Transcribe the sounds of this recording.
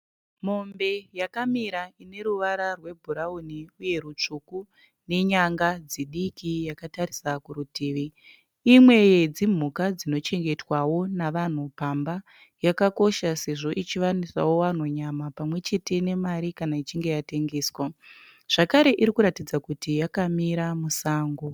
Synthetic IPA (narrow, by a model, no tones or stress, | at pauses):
mo̞mbe̞jakamiɾaine̞ɾuʋaɾarwe̞bʱuɾauniuje̞ɾut͡ʂuku | ne̞ɲaŋɡad͡ziɗikijakataɾisakuɾutiːʋi | imwe̞jed͡zim̤ukad͡zino̞t͡ʃe̞ŋɡe̞twawo̞naʋan̤upamba | jakako̞ʃase̞ʐo̞ʔit͡ʃiʋanira̰wo̞wan̤oɲamapamwe̞t͡ʃe̞te̞ne̞maɾikanait͡ʃiŋɡe̞jate̞ŋɡe̞ːswa | ʐ̥akaɾe̞ʔiɾikuɾatid͡zakutijakamiɾamusaːŋɡo